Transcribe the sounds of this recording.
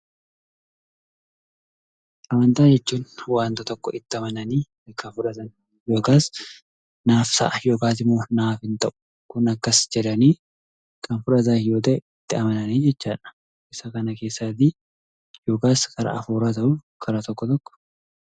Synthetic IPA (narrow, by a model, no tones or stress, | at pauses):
ʔɐmɐnt̪aːd͡ʒɛt͡ʃːuːnwaːnt̪ɐt̪ɔkːɔʔɪt̪ːɪɐmɐnɐniː | ɐkʰːɐfʊᶑɐt̪ɐn | jo̞ːkaːs | naːfsɐ̰ʔɐjo̞ːkaːt̪ɪmːoːnaːfɪnt̪ɐʔʊ̥ | kʊnɐkːɐsd͡ʒɛᶑ̪ɐniː | kʰɐnfʊᶑɐt̪̬ɐɪjo̞ːt̪̬ɐʔɛɪt̪ːɪɐmɐnɐniːd͡ʒɛt͡ʃːaːᶑɐ̥ | ʔɪsɐkɐnɐke̞ːsːaːt̪i | jo̞ːkaːskʰɐɾɐ̰ɐfuːɾaːt̪ɐʔʊ | kʰɐɾɐt̪ɔkːɔt̪ɔkːɔ̥